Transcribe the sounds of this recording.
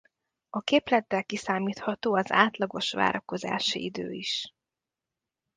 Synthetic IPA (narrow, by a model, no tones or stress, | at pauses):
ɒkeːplɛt̪ːɛlkisaːmiːt̪hɒt̪oːɒza̰ːt̪lɒɡo̞ʃʋa̰ːɾɒko̞za̰ːʃḭid̪ø̰ːiʃ